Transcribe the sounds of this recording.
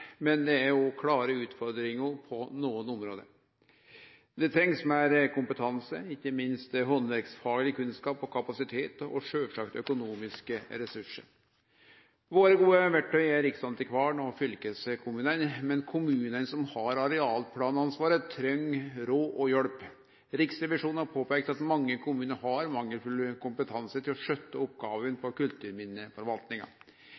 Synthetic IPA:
mɛnd̪ɛæɾɔkʰlɑːɾəʉːt̪fɔɾd̪ɾɪŋʊpʰɔnuːənʊmɾoːd̪ə̰ | d̪ɛt̪ʰɾɛŋsmæɾkʊmpət̪ʰɑnsə̰ɪçːəmɪnst̪ɦɔnʋæɾksfɑːɡlɪəkʰʉnskɑːpɔkʰɑpɑsɪt̪ʰeːt̪ɔ̰ʂøːʋʂɑkt̪œkʊnuːmɪskəɾɛsʉʂə̰ɾ | ʋoːɾəɡuːəʋæʈʰːœʏæɾɪksɑnt̪ɪkʰʋɑːɳɔfʏlkəsəkʰʊmʉːnənmɛnkʰʊmʉːnənsɔmhɑɾɑɾɛɑːlpʰlɑːnɑnsʋɑːɾət̪ʰɾœŋɾoːʔɔjɔɽp | ɾɪksɾɛʋɪʂuːnhɑɾpʰoːpɛɪk̚t̪ɑt̪mɑŋːəkʰʊmʉːnəɾhɑɾmɑŋːəlfʉləkʰʊmpət̪ʰɑnsət̪ʰɪlɔʂœt̪ːəɔpːɡɑːʋənpɔkʉlt̪ʉːɾmɪnːəfɔɾʋɑlt̪nɪŋɑ̰

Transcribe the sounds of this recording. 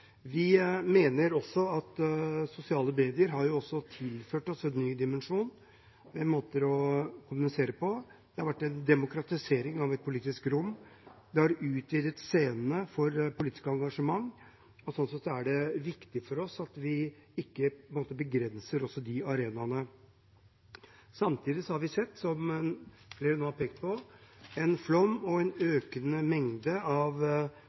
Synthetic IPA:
ʋɪmeːnəɾɔsːɔɑt̪sʊsɪɑːləmeːd̪ɪəɾɦɑɾjʊɔsːɔt̪ʰɪlføːʈɔsɛnːyːd̪ɪmɛnʂuːn | ʋɛnmoːt̪əɾɔkʰʊmʉnɪseːɾəpʰɔd̪̥ɛhɑɾʋæʈːɛnd̪ɛmʊkʰɾɑt̪ɪseːɾɪŋɑʋɛt̪̚pʰʊliːt̪ɪskɾʊmːd̪ɛhɑɾʉːt̪ʋiːd̪ət̪seːnənəfɔɾpʰʊliːt̪ɪ̥skəɑŋɡɑʂəmɑŋː | ɔsɔnsɛt̪sɔæɖɛʋɪkt̪ɪfɔɾɔsɑt̪ʋɪɪkːəpnmoːt̪əbəɡɾɛnsəɾɔsːɔd̪ɪɑɾeːnɑnə | sɑmt̪ʰiːd̪ɪsɔhɑɾʋɪsɛt̪ːsɔm | fleːɾənoːhɑpeːk̚t̪̚pʰɔɛnflɔmːɔɛnøːkənəmɛŋd̪əɑʋ

